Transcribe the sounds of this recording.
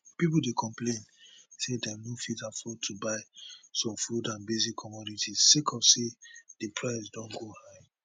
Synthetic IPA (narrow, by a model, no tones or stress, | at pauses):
pip̬uldekʰɔ̃mplẽn | sedɛnofitafɔtʰubaɪsɔ̃mfudãnbezikʰːɔmɔditʰitĩkʰɔfsed̥epʰɹaɪsdɔ̃nɡohaɪ